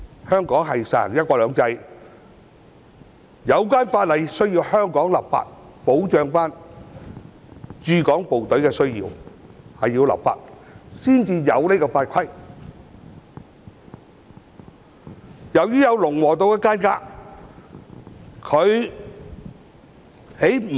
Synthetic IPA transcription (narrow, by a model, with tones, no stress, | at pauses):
hœː˥ŋkɔː˨˥ŋɦɐ˨jsɐ˨˩hɐ̰˨˩ŋjɐ˥t̚kɔː˧lœː˨˧˥ŋt͡sɐ˧j | jɐ˨˧wkaː˥nfaː˧t̚lɐ˨jsɵ˥ɥjiː˧whœː˥ŋkɔː˨˥ŋla̰ː˨p̚fa̰ː˧t̚po˨˥wt͡ʃœː˨ŋfaː˥n | t͡ʃyː˨˧kɔː˨˥ŋpo˨wt̪ɵ˨˥ɥkɛː˧sɵ˥ɥjḭː˧whɐ˨jːiː˧wla̰˨pfa̰ː˧t̚siː˥nt͡siː˧jɐ˨˧wne˥kɔː˧faː˧t̚kʰɐ˥j | jɐ˨˩wjyː˥jɐ˨˧wlʊ˨˩ŋwɔː˨˩t̪̬o˧wkɛː˧kaː˥nka̰ː˧˥ | kʰɵ˨˧ɥ | he˨˥j